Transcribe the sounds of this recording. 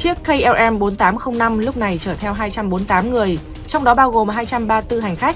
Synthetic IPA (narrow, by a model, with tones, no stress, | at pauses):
t͡ɕi˦˥əkːə˧jʔɛ˧ʔɛ˧mɓo˨˦nt̪aː˨˦mxə˧wŋ͡mna˧mlʊ˦˥k͡p̚na˨˩jt͡ɕəː˧˩t̪ʰɛ˧wɦaː˧jt͡ɕa˧mɓo˨˦nt̪aː˨˦mŋɨ˨˩əj | t͡ɕa˧wŋ͡mɗɔ˨˦ɓaː˧wɣo˨˩mɦaː˧jt͡ɕa˧mɓaː˧t̪ɨ˧ɦa˨˩jŋ̟xa˦˥k̚